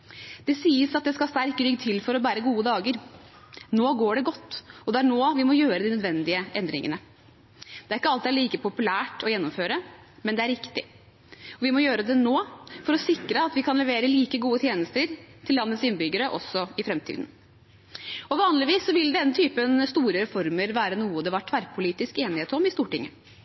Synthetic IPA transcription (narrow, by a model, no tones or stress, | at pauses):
d̪̥ɛsiːəsɑt̪̚d̪ɛskɑst̪æɾkɾʏɡt̪ʰɪlfɔɾɔbæːɾəɡuːəd̪ɑːɡəɾ | noːɡoːɖɛɡɔt̪ːɔd̪ɛæɳoːʋɪmɔjøːɾəd̪ɪnœd̪ʋɛnd̪ɪəʔɛnd̪ɾɪ̰ŋə̰nə | d̪ɛæɾɪkːəɑlt̪æɭiːkəpʰʊpʉlæːʈɔjɛnːɔmføːɾə | mɛnd̪ɛæɾɪkt̪ɪ̰ | ɔʋɪmɔjøːɾəd̪ɛnoːfɔɾɔsɪkɾəɑt̪ʋɪkʰɑnlɛʋeːɾəliːkəɡuːət̪ʰjeːnəst̪əɾt̪ʰɪlːɑnːət̪sɪnːbʏɡəɾəʔɔ̰sːɔɪfɾɛmt̪ʰḭːd̪n̩ | ɔʋɑːnlɪʋiːsːɔʋɪld̪ɛnːət̪ʰyːpənst̪uːɾəɾɛfɔɾməɾʋæːɾənuːəd̪ɛʋɑʈʰʋæɾpʰʊliːt̪ɪskeːnɪheːt̪ɔmɪst̪uːʈɪŋːə